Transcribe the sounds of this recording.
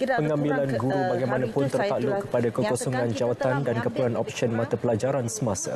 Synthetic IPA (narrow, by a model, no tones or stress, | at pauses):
pəŋãmbilanɡuɾubaɡajmãnãpʊnt̪ərt̪aʔluʔkːə̥padakəkɔsɔŋãnd͡ʒawat̪andankəpəlanɔp̚ʃənmãt̪apəlad͡ʒaɾansəmasa̰